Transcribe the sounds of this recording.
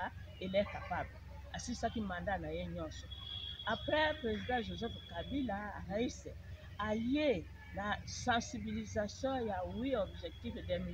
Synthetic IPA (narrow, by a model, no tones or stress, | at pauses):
a | elɛkapablɛ | a̰sisakimãndanajeɲɔ̃sɔapʁɛpʁezidãʒozɛfkabilaaʁaisɛ | aje | nasãsibilizasjɔ̃jawiɔbʒɛk̚tifedɛmi